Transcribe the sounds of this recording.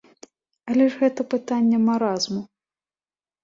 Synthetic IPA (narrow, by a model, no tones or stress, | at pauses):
ɐlʲɛʐɣɛt̪ɐpɨt̪anʲːɛmaɾazmu